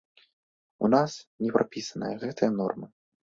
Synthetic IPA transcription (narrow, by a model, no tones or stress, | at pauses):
unasnʲɛpɾʔapʲisɐnɨ̰jɐɣɛt̪ɨjɐnɔ̰rmɨ